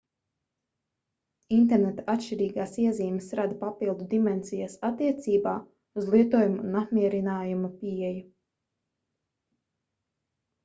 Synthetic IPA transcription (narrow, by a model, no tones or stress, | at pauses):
int̪ɛɾnet̪aat̪ʃt͡ʃiɾiːɡaːsiɛziːmsɾad̪papilˠd̪ud̪imɛnsijasat̪ːiɛt̪siːbaː | uzlˠiɛt̪uɔjumunapmiɛɾinaːjumapiɛju